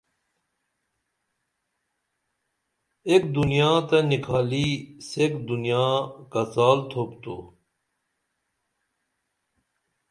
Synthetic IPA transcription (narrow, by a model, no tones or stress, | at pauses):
ekd̪unijaːt̪ɐnikʰaːlisekd̪unijaːkɐt͡saːlt̪ʰoːpt̪u